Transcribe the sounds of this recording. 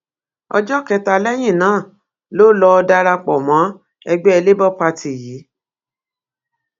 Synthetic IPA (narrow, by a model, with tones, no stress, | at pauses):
ɔ̰˧d͡ʒɔ˦˨kɛ˧ta˧lɛ˦j̃ĩ˦˨nãː˨˦˨ | lo˦lɔ˧da˧ɾa˧k͡pɔ˨mã˨˦ | ɛ˧ɡ͡bɛ˦ɛ˧le˦bɔ˦˨k͡pa˧tʰi˨jiː˨˦